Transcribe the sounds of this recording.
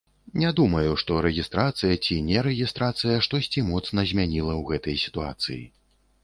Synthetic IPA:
nʲɛd̪umɐjuʂt̪ɔɾɛɣʲist̪ɾat̪sɨjɐt͡sʲinʲɛɾɛɣʲist̪ɾat̪sɨjɐʂt̪ɔsʲt͡sʲimɔt̪snɐzʲmʲanʲilˠɐwɣɛt̪ɐjsʲi̥t̪ua̰t̪sɨ̰jḭ

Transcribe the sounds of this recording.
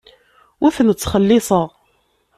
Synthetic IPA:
wʔæfnət͡sːχəlːɪsˤəʁ

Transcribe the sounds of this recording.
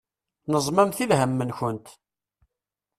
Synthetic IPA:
nəzˤmæmθiðɦəmːənçənt̪

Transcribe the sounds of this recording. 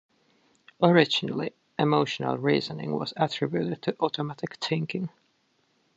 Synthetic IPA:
əɹɪd͡ʒənl̩ˠi | ʔɪmoʊʃənə̰lˠɹiːzənɪ̰̃ŋwʌ̰zətʰɹ̥ɪbjʉɾɨd̚tʰɨʔɔɾəmætɪkθʰɪ̃ŋkɪ̃ŋ

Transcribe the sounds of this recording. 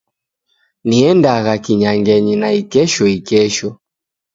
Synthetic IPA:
niɛndaɣakiɲaŋɡɛɲinaikɛʃɔikɛʃɔ

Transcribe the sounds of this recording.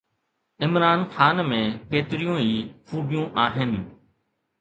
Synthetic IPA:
ɪmɾaːnxaːnmẽːkeːt̪ɪɾijõːɦiːfʰuːɖijũːʔaːɦɪn

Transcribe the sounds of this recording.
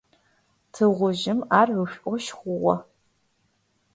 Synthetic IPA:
tʰɨʁʷʊʒɪmaːrʕʷʊɕʷʼɔʃχʷʊʁʷɔ̰

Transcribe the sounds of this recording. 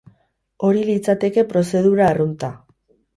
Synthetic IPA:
o̞ɾilit͡sat̪e̞ke̞pɾo̞se̞ð̞uɾaːrunt̪a

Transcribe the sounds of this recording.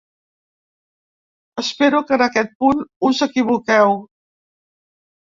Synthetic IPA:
əspeɾukənəkɛt̪̚punuzəkiβukɛw

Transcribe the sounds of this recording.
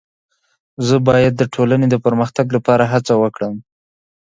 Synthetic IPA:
zəbɑjad̪ːəʈʰolaned̪əpəɾməxt̪aɡlapɑɾaɦat͡sawəkɽəm

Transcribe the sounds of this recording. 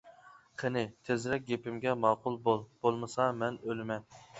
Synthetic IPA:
qʰenɪt̪ʰezɾɛk̚ʲɡʲepɪmɡʲɛmɑːqʊlˠbolˠb̥olˠmɨsɑmɛnølɪmɛn

